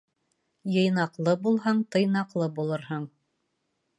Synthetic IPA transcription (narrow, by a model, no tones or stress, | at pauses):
jɤ̆jnɑqlˠɤbulˠɦɑɴt̪ɤ̆jnɑqlˠɤbulˠɤɾhɤɴ